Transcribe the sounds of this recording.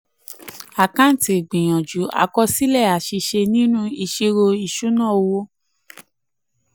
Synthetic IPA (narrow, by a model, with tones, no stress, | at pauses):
a˨kã˦n̩˦˨ti˨ɡ͡bĩ˨j̃ɔ̃˨d͡ʒu˨˦a̰˧kɔ˧si˦lɛ˦˨a˨ʃi˧ʃe˧nĩ˦nũ˦i˧ʃi˧ɾo˧i˨ʃu˨˦nã˦˨o˧wo˧˦